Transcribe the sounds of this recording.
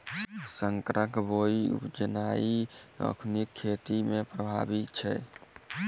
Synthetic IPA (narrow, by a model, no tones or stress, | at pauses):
səŋkɾəkboiṵd͡ʒənaiə̰kʰnikʰːet̪imepɾəbʱa̰bit̪t͡ʃʰɛ̰